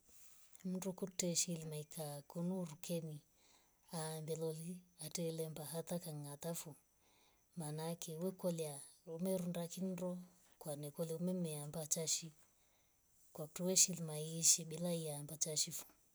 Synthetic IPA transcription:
m̩ndukutɛʃilimaikakunuɾukʰɛni | aːmbɛlɔliatɛlɛmbaɦat̪akaŋat̪afu | manakɛwɛkɔlia | umɛɾundakindɔ | kwanɛkɔliumɛmɛambat͡ʃaʃi | kwaktuwɛʃilimaiʃiɓilaiambat͡ʃaʃifu̥

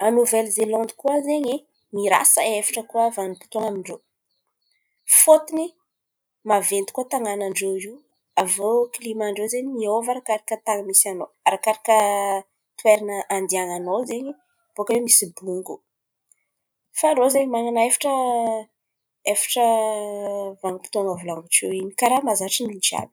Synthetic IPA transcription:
anuvɛlzelɔnd̪i̥kuazeɲi | miɾa̰səefḁʈ͡ʂəkuavanpu̥t̪oŋamiɳɖ͡ʐew | fot̪ini | mavend̪i̥kuət̪aŋanaɳɖ͡ʐeiw | avoklimaɳɖ͡ʐezeɲimiovaɾakaɾakət̪aŋəmisano | aɾakaɾakʲə | t̪weɾanəʔand̪iaŋanozeɲi | b̥okəwemisibuŋɡu | faɾozeɲimaŋanaefḁʈ͡ʂə | efḁʈ͡ʂə | vaŋəpi̥t̪oŋəvulaŋɡuʈ͡ʂewinikaɾamazaʈ͡ʂimint͡ʃa̰bi̥

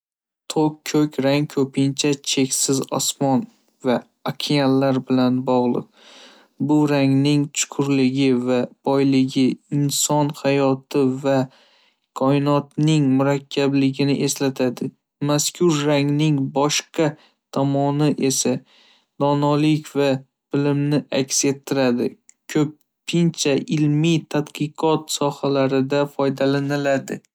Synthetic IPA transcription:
t̪ʰokʰːɵkʲʰɾaŋkʰɵpʰɪnt͡ʃʰat͡ʃʰe̞kʲsɪzɒ̰smɒn | vaː | kʲʰialːaɾbɪlanbɒʁlˠɨ̰q̚ | bʊɾaŋnɪŋt͡ʃʰʊ̥qʰʊɾlɪɡʲɪvab̥ɒjlɪɡʲɪɪnsɒnhajɒt̪ʰɪva | kʰɒɪnɒt̪nɪŋmʊɾakʲʰːablɪɡʲɪnɪʔe̞slat̪ʰad̪ɪ | maskʲʰʊɾːaŋnɪŋbɒʃqɑ | t̪ʰamɒnɪʔe̞sa | d̪̥ɒnɒlɪkʲva | b̥ɪlɪmnɪʔakʲse̞t̪ʰːɪɾad̪ɪkʲʰɵp̚ | pʰɪnt͡ʃʰaʔɪlmit̪ʰad̪qɨqʰɒt̪sɒhalaɾɪd̪afɒjd̪alanɪlad̪ɪ̰

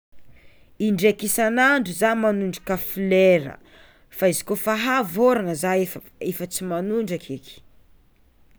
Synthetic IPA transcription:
iɳɖ͡ʐekisanaɳɖ͡ʐuzamanuɳɖ͡ʐḁkafileɾə̰ | faizi̥kofaɦavoɾanəza | efət͡simanuɳɖ͡ʐakʰiki̥

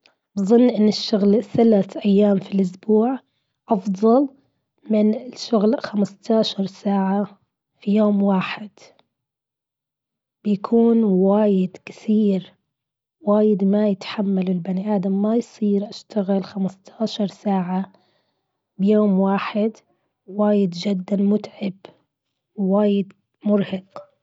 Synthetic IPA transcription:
bɨzˤɨnːʔɪnːɪʃːʊɣlθalaθʔajːaːmfilʔʊsbuːʕ | ʔɑfðˤɑl | mɪnɪʃʊɣlxamst̪aːʃɑɾˤsaːʕa | fijoːmwaːħɪd̪̥ | bɪjakʰuːnwaːjɪd̪kɪ̥θiːɾ | waːjɪd̪majɪt̪ħamːalɪlbaniʔaːd̪amːajsˤiːɾʔaʃt̪aɣɪlxamast̪ʰaːʃɑɾˤsaːʕa | bɪjoːmwaːħɪd̪ | waːjɪd̪d͡ʒɪd̪ːanmʊt̪ʕɪb | wwaːjɪd̪ | mʊɾhɑq

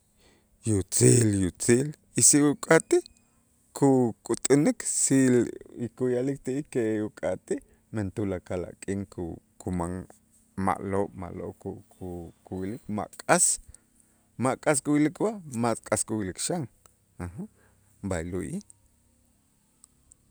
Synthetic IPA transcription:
jut͡siːljut͡siːl | isiʔukʼat̪i | kʰukʼut̪ʼuniksilikujalik̚t̪iʔikeʔukʼat̪i | ment̪ulakala̰ʔkʼiŋkukʰumaŋ | ma̰ʔloːɓma̰ʔlo̰ʔkukʰukuwilikma̰ʔkʼas | maʔkʼas̬kuwilikbaʔmakʼaskuwilikʃaŋ | aha | bajluʔi

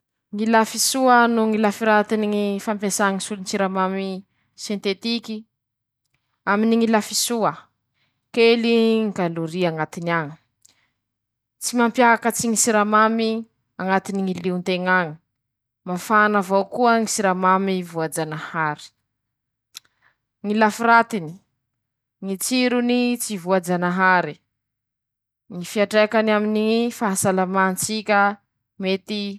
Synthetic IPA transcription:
ŋilafisuənuŋilafiɾat̪iniŋifampesaŋisulnsiɾamami | sent̪et̪iki | aminiŋilafisuə | keliŋɡaluɾiaŋat̪iniaŋə̥ | t͡simampjakət͡siŋisiɾamami | aŋat̪iniŋiliunt̪eŋaŋi̥ | mafanavawkuəŋisiɾamamivuad͡ʒanahaɾi̥ | ŋilafirat̪ini̥ | ŋit͡siɾunit͡sivuad͡ʒanaɦaɾi | ŋifiaʈ͡ʂekanaminifaɦasalamant͡sikʲə | met̪i

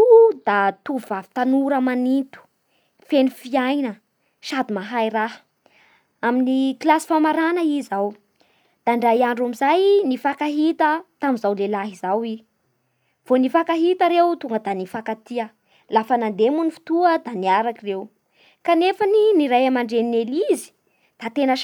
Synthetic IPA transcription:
d̪at̪uvvavi̥t̪anuɾəmanint̪u̥ | fenifiajnə | ʃad̪umaɦajɾaɦə̥ | aminiklasi̥famaɾanəizaw | d̪̥aɳɖ͡ʐajaɳɖ͡ʐamizajnifakaɦit̪ət̪amizawlelaɦizawi | v̥onifakaɦit̪əɾewt̪uŋɡəd̪anifakat̪iə | lafənand̪emunifi̥t̪uəd̪aniaɾakirew | kanefəniniɾajamaɳɖ͡ʐeninelizi̥ | d̪̥at̪enə

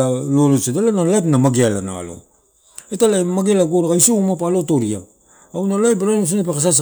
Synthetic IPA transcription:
aloɾosedalanalaepnamaɡealana̰lo̰ | etalaemaɡealaɡoɾaɡaisomapalo̞to̞ɾia | awnaloaebeɾanos̬inepekas̬as̬

